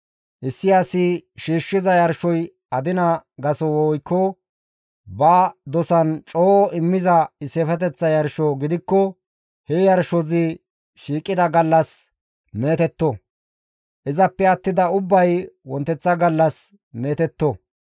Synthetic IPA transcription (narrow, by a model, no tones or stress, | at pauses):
ʔɪsːɪjasɪʃiːʃːɪzɐjɐɾʃɔj | ɐd̪ɪnɐɡɐsɔwɔɔjkːɔ | bɐːd̪ɔsɐnt͡ʃʼoːʔɔʔɪmːɪzɐɪsɛfɛt̪̬ɛt͡sːɐjɐɾʃɔɡɪd̪ɪkːɔ | hɛjɐɾʃɔzɪ | ʃiːkʼːɪd̪ɐɡɐlːɐs | me̞ːt̪ɛt̪ːɔ | ʔɪzɐpːɛɐt̪ːɪd̪ɐʊbːɐjwɔnt̪ːɛt͡sːɐɡɐlːɐs | me̞ːt̪ɛt̪ːɔ